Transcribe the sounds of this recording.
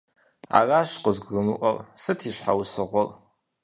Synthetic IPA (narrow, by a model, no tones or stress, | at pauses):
a̰raʃʷqʼʊzɡʷrɨmɨʔʷʼalsɨtʰiʃʷħawusɨʁʷʊl